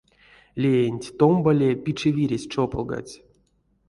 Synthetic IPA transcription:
lʲeenʲtʲt̪ombalʲepʲit͡ʂɨvʲiɾʲesʲt͡ʂopɨlˠɡa̰t͡sʲ

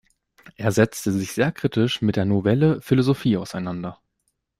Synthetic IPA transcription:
ʔeːɐzɛt͡stəzɪçz̥eːɐkʁ̥iːtɪʃmɪt̚d̥eːɐnovɛləfilozofiːaʊsaɪnandɐ

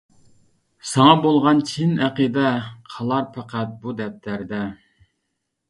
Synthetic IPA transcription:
sɑŋɑbolˠʁɑnt͡ʃʰinæqid̪ɛqʰɑlˠɑɾpʰæqʰæt̪̚bud̪ɛp̚t̪ʰæɾd̪ɛ

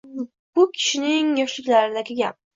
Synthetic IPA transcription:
bʊkʲʰɪ̥ʃɪnɪŋjɒʃlɪkʲlaɾɪd̪aɡʲɪɡʲap̚

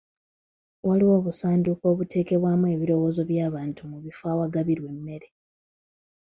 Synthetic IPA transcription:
waliwo̞ːβusaːnduko̞ːβute̞ːke̞βwaːmue̞ːβiɾo̞wo̞ːzo̞βjaːβaːntumuβifaːwaɡaβiɾwe̞mːe̞ɾe̞

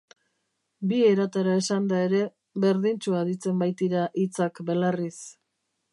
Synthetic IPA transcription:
bie̞ɾat̪aɾae̞sand̪ae̞ɾe̞ | βe̞ɾðint͡ʃuaðit͡se̞mbajt̪iɾaʔit͡sakbe̞laris

